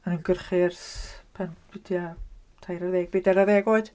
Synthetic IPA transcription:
anunɡərχɪrspʰanwidʰia | tʰajɾaðɛːɡ̚biːdaɾaðɛːɡoɨd̥

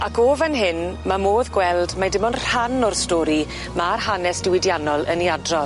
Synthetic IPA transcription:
akʰoːvanɦɪnmamoːðɡwɛlˠdmadɪmɔnr̥anɔrstoːɾi | marhanɛsd̥ɪwɪdjanɔlˠəniadrɔ

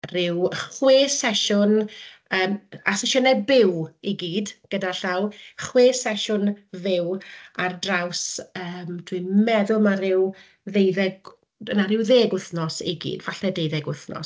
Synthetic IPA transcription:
rɪwχweːsɛʃʊn | əːmasɪʃənɛbɪwiɡiːdɡ̥ədaɬawχweːsɛʃʊnvɪwardrawsəːmtʰwimɛðʊlˠmaɾɪw | ðejðɛɡ | ənaɾɪwðeːɡʊθnɔsiɡḭːdvaɬɛdejðɛɡʊθnɔ̰s

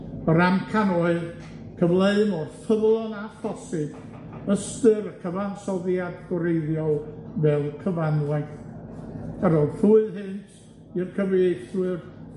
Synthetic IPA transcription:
əɾamkʰanɔɨð | kʰəvlˠeɨmɔrθəvlˠɔnafɔsɨd̥ | əstɨɾəkʰəvansɔðjadɡɔɾejðjɔvɛlˠkʰəvanlˠa | aɾɔθuɨðhɨntʰ | irkʰəveːɡθwɨr

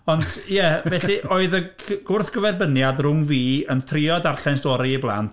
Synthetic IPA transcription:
ɔnd̥jɛvɛɬiʔoːɨðəɡ̥ʊrθɡ̥əvɛrbənjadrʊŋviːəntʰrɪɔdarɬɛnstɔɾiiblˠa̰nt

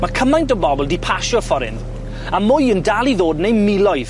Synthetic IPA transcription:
makʰəmajndɔbɔbʊlˠdipʰaʃɔfɔɾɪ̰n | amʊjəndalˠiðoːdnejmɪlɔjð

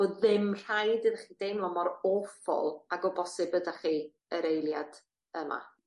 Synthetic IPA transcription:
oːðɪmr̥ajdɨðχiːdejmlˠɔmɔɾoːfɔ̰lˠaɡɔbɔsɪbədaχi | əɾejlˠjad̥ | əma̰

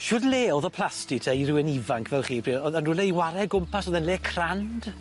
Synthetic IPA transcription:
ʃʊːdleːɔðɔpʰlˠastɪtʰaiɾɪwɛnivaŋkʰvɛlˠχiːpr̥iːɔðənʊlɛjwaɾɛɡʊmpasɔðɛnleːkʰrand̥

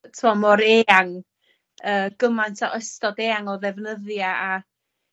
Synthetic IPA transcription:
tʰmɔmɔɾeːaŋ | əːɡ̥əmajntʰaʔəstɔdeːaŋɔðɛvnəðjaa

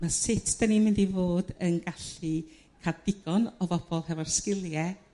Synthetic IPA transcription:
masɪtʰd̥animɪndivoːdənɡaɬi | kʰard̥ɪɡ̥ɔnɔvɔb̥ɔlˠhɛvarskɪlˠjɛ

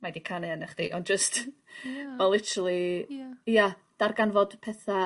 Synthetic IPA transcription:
madikʰanɛanɛχd̥iʔɔnd͡ʒəst | wɛlˠɪtʰəɾəlˠi | jad̥arɡanvɔd̥pʰɛθa

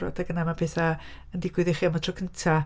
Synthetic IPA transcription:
ɾɔ̰daɡənamapʰɛːθaəndɪɡwɨðɪχiːamatʰrɔkʰəntʰa

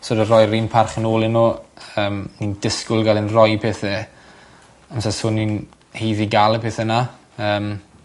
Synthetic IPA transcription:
soːdərɔjrimpʰarχənoːlˠɪnːoəːmnindɪskʊlˠɡalˠɪnrɔjpʰɛθɛ | amsasʊnːin | hejðiɡalˠpʰeθɛna | əːm

